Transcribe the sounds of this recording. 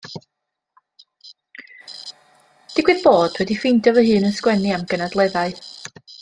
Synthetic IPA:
d̥ɪɡwɪðboːd̥wɛdifɪndɔvəhɨːnənskwɛniamɡ̥ənadlˠɛðaɨ

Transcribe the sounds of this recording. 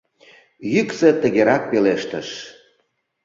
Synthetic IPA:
jyksĕt̪ə̆ɣeɾɑk̚peleʃt̪əʃ

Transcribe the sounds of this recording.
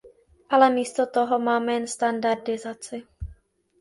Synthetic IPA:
ʔalɛmiːst̪ot̪oɦomaːmɛjɛnst̪andaɾdɪzat͡sɪ

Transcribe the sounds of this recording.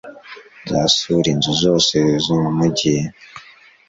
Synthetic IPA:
zasuɾinzuzo̞ːsezomumuɟije

